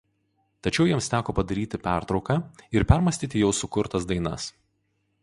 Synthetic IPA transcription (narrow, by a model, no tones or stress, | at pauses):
t̪ɐt͡ʃʲɛʊjiɛmst̪ʲæːkoːpɐd̪ɐɾʲiːt̪ʲɪpʲæˑɾt̪ɾɒʊkɑːɪɾpʲæɾmɐsʲt̪ʲiːt̪ʲɪjɛʊsʊkʊɾt̪ɐsd̪ɐɪnɐ̰s